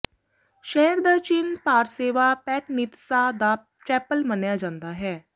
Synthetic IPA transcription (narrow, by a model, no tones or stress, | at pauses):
ʃɛɦɾd̪at͡ʃinpaːɾseːʋapɛːʈnit̪sad̪a | t͡ʃɛːpəlmənjad͡ʒãːnd̪aɦɛː